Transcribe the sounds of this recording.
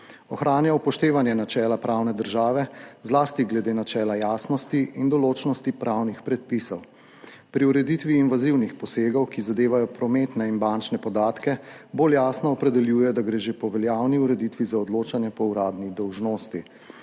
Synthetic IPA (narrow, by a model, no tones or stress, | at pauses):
ɔxɾaːnjaupɔʃt̪eːʋanjɛnat͡ʃɛːlapɾʔaːwnɛd̪əɾʒaːʋɛzlaːst̪iɡlɛd̪eːnat͡ʃɛːlajaːsnɔst̪iʔind̪ɔloːt͡ʃnɔst̪ipɾʔawnixpɾɛt̪̚pisɔw | pɾiuɾɛd̪it̪ʋiːnʋaziwnixpɔseːɡɔwkizad̪eːʋajɔpɾɔmeːt̪nɛinbant͡ʃnɛpɔd̪aːt̪kɛboːljaːsnɔːpɾɛd̪ɛljuːjɛd̪aɡɾeːʒepɔʋɛljawniuɾɛd̪it̪ʋizaɔd̪loːt͡ʃanjɛpɔuɾaːd̪nid̪ɔwʒnoːst̪i